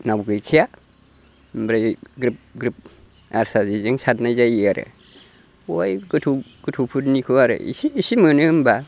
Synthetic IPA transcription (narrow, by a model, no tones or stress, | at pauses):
nawɡɯjkʰija | mbɾajɡɾip̚ɡɾip̚ | aɾsazizeŋsatnajzajiaɾɯ̰ | ojɡɯtʰuɡ̥ɯtʰupʰut̚nikʰɯaɾɯ̰ḭsiːsimɯnɯmba